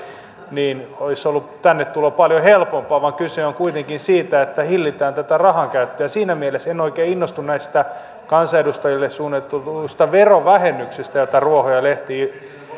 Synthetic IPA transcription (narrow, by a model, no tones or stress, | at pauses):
niːnoisolːut̪ænːet̪t̪ulopɑljohelpompɑːʋɑŋkyseoŋkuit̪eŋkinsiːt̪æet̪ːæhilːit̪æːnt̪æt̪ærɑhɑŋkæyt̪ːøjæsiːnæmielesenoikeːinːost̪unnæist̪æ | kɑnsɑedust̪ɑjilːessuːnːet̪ːut̪ust̪ɑʋeroʋæhemːyksest̪æjot̪ɑruohojɑleht̪iː